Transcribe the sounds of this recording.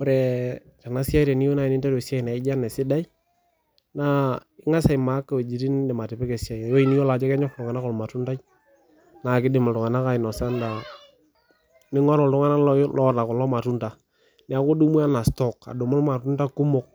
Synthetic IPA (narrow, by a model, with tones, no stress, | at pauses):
ɔ˦ɾɛ˨t͡ʃa˨na˨˦sja˦jɾɛ˨nɪ˦jo˦na˨ɪ˨nɪ˦nda˦ɾɔ˨sa˦i˨na˨ɪ˦d͡ʒa˦nɛ˨sɪ˦da˦j | na˦ | ɪ˦ŋa˦sa˨jma˨˦kːa˨we˨d͡ʒi˨ti˦ndɛ˨ma˨tɪ˨pɛ˦kɛ˨si˦a˨jjo˦i˨ni˦jo˦la˨d͡ʒɔ˦kɛ˦ɲɔ˦xtʊ˨ŋa˨na˦kɔ˨lma˨tu˦nda˦j | na˨kɪ˦dɪ˨ma˨ltʊ˨ŋa˨na˦ka˦ɪ˨nɔ˨sa˦nda˨ | nɪ˦ŋɔ˦ɾɔ˨ltʊ˦ŋa˦na˦llɔ˦ta˨kɔ˨lɔ˦ma˨tu˦nta˨ | nɛ˨a˨˦ko˦du˦mu˦a˦na˨stɔ˦˨ka̰˨do˨mʊ˦lma˨tu˦nta˦kʊ˦mʊ˦k̚